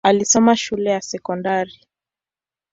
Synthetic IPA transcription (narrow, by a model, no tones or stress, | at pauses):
alisɔmaʃulɛjasɛkɔndaɾi